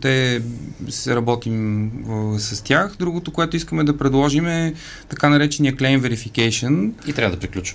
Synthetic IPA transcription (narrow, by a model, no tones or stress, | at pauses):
t̪ɛ | sɛɾɐbɔt̪im | sɐst̪ʲaxd̪ɾuɡot̪okoɛt̪ʊiskəmɛd̪ɐpɾɛd̪lˠɔʒimɛ | t̪ɐkanɐɾɛt͡ʃɛniəklɛjnvɛɾifikɛjʃənit̪ɾavɐəd̪ɐpɾiklʲut͡ʃ